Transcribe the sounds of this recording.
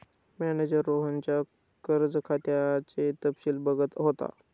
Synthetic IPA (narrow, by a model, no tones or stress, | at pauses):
mæned͡ʑəɾːoɦəɲt͡ɕja | kəɾd͡zəkʰat̪jat͡set̪əpsiːlbəɡət̪ɦot̪a̰